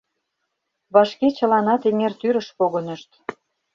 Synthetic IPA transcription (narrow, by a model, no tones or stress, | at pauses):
βɑʃket͡ɕə̆lɑnɑt̪eŋert̪yɾə̆ʃpoɣonə̆ʃt̪